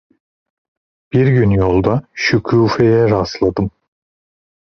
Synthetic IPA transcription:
b̥iɾɟynjolˠd̪aʃycʰuːfejɛɾaslˠad̪ɯm

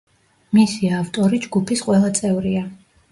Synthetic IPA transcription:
misiavt̪ʼɔɾid͡ʒɡupʰisqʼwɛlˠat̪sʼɛvɾia

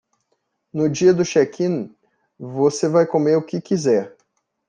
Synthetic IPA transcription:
nʊd͡ʒiɐd̪ʊʃɛkʰĩn | vosevajkomeɾʊkɪkizɛɾ

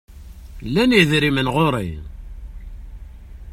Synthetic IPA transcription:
lːæniðɾimənʁoɾˤḭ

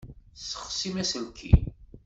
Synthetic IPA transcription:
sə̥χsimæsənkʰːḭ

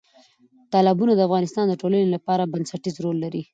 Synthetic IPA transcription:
t̪ɑlɪbunad̪əafɣɑnɪst̪ɑnd̪əʈolənelapɑɾabansaʈizɾolːaɾi

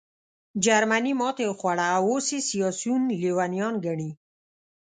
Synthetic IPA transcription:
d͡ʒaɾmanimɔt̪exwaɽaːwosesijɑsjunlewanijɑnɡaɳi

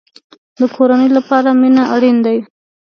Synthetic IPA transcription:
d̪əkʰoɾanəjlapɑɾaminaaɽind̪awi

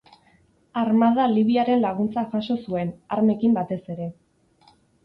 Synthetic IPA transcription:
aɾmað̞aliβ̞iaɾe̞nlaɣ̞unt͡saxaʃo̞sue̞na̰ɾme̞kimbat̪e̞se̞ɾe̞

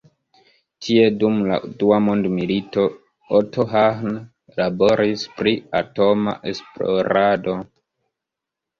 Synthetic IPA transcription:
tʰie̞dumla̰duamondmilito̞ | otʰoɦan | labo̞ɾispɾiato̞ma̰ʔe̞splo̰ɾado̞

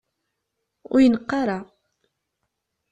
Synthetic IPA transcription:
ʊ̰jənəqːɑɾˤa

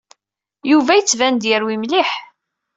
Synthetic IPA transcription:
juvæjət͡sːvænd̪jəɾwimliħ

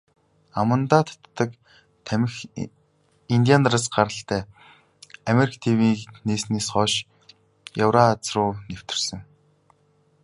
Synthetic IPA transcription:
amə̆nt̪aːt̪ʰt̪ːə̆k | t̪ʰæmʲɘ̆x | int̪ʲianraːsɢaɾə̆ɬt̪æː | amʲeɾikʰt̪ʰewiːkneːsniːsχɔːʃ | jawɾat͡srʊːnew̥t̪ɪ̆r̥sə̆ŋ

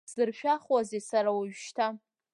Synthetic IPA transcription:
zɨrʃᶣaχwazesaɾawaɥʃtʰa

